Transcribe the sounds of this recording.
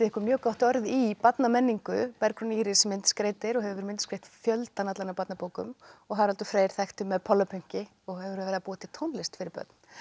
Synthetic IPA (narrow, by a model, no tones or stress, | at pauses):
t̪ɪɛhkʏɾmjœːkawht̪œɾðipat̪namɛnːiŋkʏpɛɾkɾʏniɾɪsɛmɪnt̪skɾeːjt̪ɪɾɔɣɦɛvʏɾvɛɾmɪnt̪skɾejht̪fjœlt̪anat̪lanapat̪napowkʏ̰mɔɣɦaðɾalt̪ʏfɾeːjɾ̥θajht̪ʏmːɛðpʰɔlapʰʏŋ̥cɪ | ɔɣhɛvʏɾvɛːɾðapuːat̪ʰɪt̪ʰownlɪst̪fɪɾɪɾpœ̰t̪n